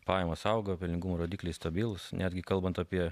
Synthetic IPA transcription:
pɑːjɛmɐːsɐʊɡopʲɪlʲnʲɪŋɡumoːɾoːd̪ʲiːklʲɛɪst̪ɐbʲɪlˠʊsnʲʔæːd̪ʲɡʲɪkɐlˠbɐnt̪ɐpʲiɛ

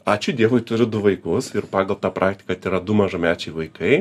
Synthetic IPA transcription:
ɑːt͡ʃʲʊd̪ʲiɛʋoːɪt̪ʊɾʲɪd̪ʊʋɐɪkʊsɪrpɑːɡɐlˠt̪ɑːpɾʔɑːk̚t̪ʲɪ̥kɐt̪ʲiːɾɐd̪ʊmɐʒɐmʲæːt͡ʃʲɛɪʋɐɪkɐɪ

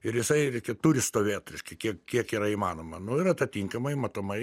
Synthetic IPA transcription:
ɪɾjɪsɐɪɾʲɛɪkʲɛt̪ʊɾʲɪst̪oːʋʲeːt̪ɾʲɛɪʃʲkʲɛɪkʲiɛkkʲiɛkiːɾɐimɑːnoːmɐnʊɪɾɐt̪ɐt̪ʲiŋkɐmɐɪmɐt̪oːmɐɪ

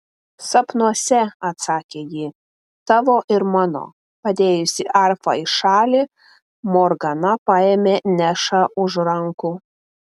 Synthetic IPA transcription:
sɐpnuɔsʲɛɐt̪sɑːkʲeːjiː | t̪ɑːʋoːʔɪɾmɑːno̰ː | pɐd̪ʲeːjʊsʲɪʔɐɾfɐ̰ɪʃɑːlʲi | mɔɾɡɐnɐpɑːeːmʲeːnʲæʃɑʔʊʒɾɐŋku

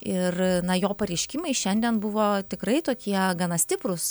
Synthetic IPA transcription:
ɪrnɐjoːpɐɾʲɛɪʃʲkʲɪmɐɪʃʲɛnʲd̪ʲiɛnbʊʋoːt̪ʲɪkɾɐɪt̪oːkʲiɛɡɐnɐsʲt̪ʲɪpɾʊs

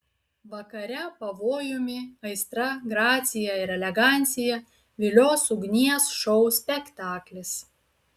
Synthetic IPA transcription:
ʋɐkɐɾʲɛpɐʋoːjʊmʲɪɐɪst̪ɾɐɡɾɑːt̪sʲɪjɛɪɾɛlʲɛɡɑˑnʲt̪sʲɪjɛ | ʋʲɪlʲoːsʊɡnʲiɛsʃɔʊsʲpʲɛkt̪ɑːklʲɪs

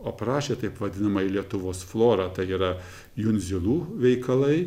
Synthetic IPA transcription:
oːpɾɑːʃʲeːt̪ɐɪpʋɐd̪ʲɪnɐmɐilʲiɛt̪ʊʋoːsflˠoːɾɑːt̪ɐɪiːɾɐ | jʊnʲzʲɪlˠuːʋʲɛɪkɐlˠɐɪ

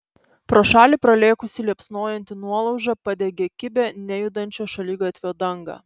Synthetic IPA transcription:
pɾoːʃɑːlʲiːˑpɾɐlʲeːkʊsʲɪlʲiɛpsnoːjɛnʲt̪ʲɪnuɔlˠɒʊʒɐpɑd̪ʲeːɡʲeːkʲɪbʲɛnʲɛjʊd̪ɐnʲt͡ʃʲoːʃɐlʲiːɡɐt̪ʲʋʲejɔːd̪ɐŋɡɐ̰

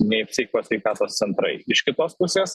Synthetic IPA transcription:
nʲɛɪpsʲʋʲɛɪkoːsʲʋʲɛɪkɑːt̪oːst̪sʲɛnt̪ɾɐ̰ɪɪʃkʲɪt̪oːspʊsʲeːs

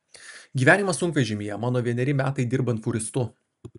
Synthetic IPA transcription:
ɡʲiːʋʲæːnʲɪmɐsʊŋkʋʲɛʒʲɪmʲɪjɛmɑːnoːʋʲiɛnʲɛɾʲɪmʲæːt̪ɐɪd̪ʲɪɾbɐnt̪fʊɾʲɪst̪ʊ

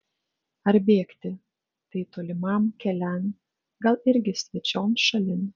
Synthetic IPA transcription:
ɐɾbʲeːkt̪ʲɪ | t̪ɐɪt̪oːlʲɪmɐmkʲɛlʲɛn | ɡɐlˠɪɾʲɡʲɪsʲʋʲɛt͡ʃʲoːmʃɐlʲɪn

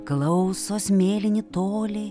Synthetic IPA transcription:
klˠɐʊsoːsmʲeːlʲɪnʲɪt̪oːlʲe

